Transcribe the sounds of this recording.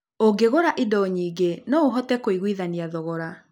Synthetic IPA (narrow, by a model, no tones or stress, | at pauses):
oɡeɣoɾaʔidɔɲiːɡenɔoɦɔtɛkoiɣwiðaniaðɔɣɔɾa